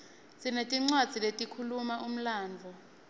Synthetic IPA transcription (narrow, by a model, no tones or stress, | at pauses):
t͡sʼinetʼiŋ͡ǀwad̥z̥ʱiletʼikʰulumaum̩laːnd͡ɮʱɔ